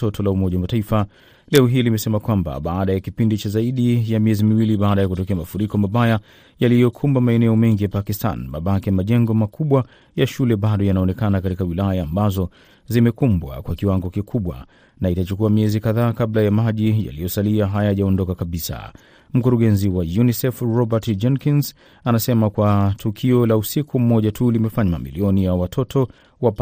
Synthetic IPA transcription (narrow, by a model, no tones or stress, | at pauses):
ɔtʰɔlaumɔʄawmataifa | lɛɔɦiːlimɛsɛmakwamba̰ɓaːɗajakipindit͡ʃazaiɗijamiɛzimiwiliɓaːɗajakutɔkɛamafuɾikɔmaɓaja | jalijɔkʰumbamaɛnɛɔmɛŋɡijapakistʰa̰nmaɓakimaʄɛŋɡɔmakuɓwa | jaʃulɛɓaɗɔjanaɔnɛkanakatikawilajaːmbazɔ | zimɛkumbwa̰kwakiwaŋɡɔkikʰuɓwa̰ | naitat͡ʃukuamiɛzikaðaːkablajamaʄija̰lijɔsaliaɦajaʄaɔndɔkakaɓisa̰ | m̩kuɾuɡɛnziwajunisɛfɹɔbatd͡ʒɛnkins | anasɛmakwatʰukʰiɔlausikʰum̩mɔʄatʰulimɛfaɲama̰mḭliɔnijawatʰɔtʰɔ | wap